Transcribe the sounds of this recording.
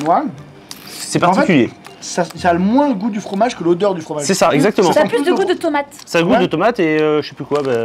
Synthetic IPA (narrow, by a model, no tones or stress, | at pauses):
wa | sɛpaʁɑ̃fɛtikʲyljḛsasaːləmwɛ̃ɡud̪yfχɔmaʒkəlod̪œʁd̪yfχɔmaʒsɛsaɛɡzak̚t̪əmɑ̃splysd̪əɡud̪ət̪ɔmat̪saɡud̪ət̪ɔmat̪eøʒəsɛplykwabɛ